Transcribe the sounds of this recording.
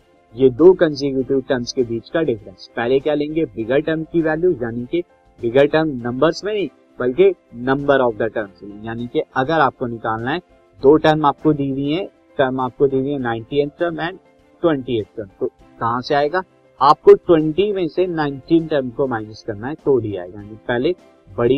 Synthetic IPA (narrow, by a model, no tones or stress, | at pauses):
jed̪oːkɐ̃ns̬ɪkjuːʈɪʋʈɐɾmskebiːt͡ʃkaɖɪfɾə̃nspɛɦlekjalẽːŋɡebɪɡəɾʈɐɾmkiʋɛːljuːjaːnike | bɪɡəɾʈəɾmnɐ̃mbəɾzmẽnɐɦĩ | bɐlkenɐ̃mbəɾɔːfd̪ɐʈəɾmsljaːnikeɐɡəɾaːp̚konɪkaːlnaɦɛ | d̪oːʈəɾmaːp̚kod̪iːɾiɦɛ̃ | ʈɐɾmaːp̚kod̪iːɾĩɦɛ̃nãːɪ̃ɳʈiet̪̚ʈəɾmɛ̃ːɳ | ʈwɛ̃ɳʈieːʈ̚ʈəɾmt̪o | kɐɦãseaːeːɡaː | aːp̚koʈwɛ̃ɳʈimẽsenãːɪ̃ɳʈiːnʈɐɾmkomaːɪnəskɐɾnaɦɛt̪oːɖia̰ːɦɛ̰jaːnipɛɦle | bɐɽi